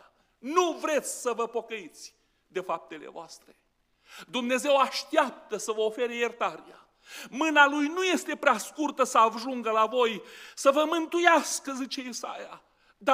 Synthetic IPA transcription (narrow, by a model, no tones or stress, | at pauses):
nuvɾe̞t̪sʲsəvəpo̞kəit̪sʲ | d̪e̞fap̚t̪e̞lḛvoast̪ɾe̞ | d̪umne̞ze̞waʃt̪ap̚t̪əsəvəofe̞ɾejert̪aɾia̰ | mɨnalujnuje̞st̪e̞pɾeaskurt̪əsəaʒuŋɡəlavo̞jsəvəmɨnt̪ujaskəzit͡ʃe̞isa̰ja | d̪a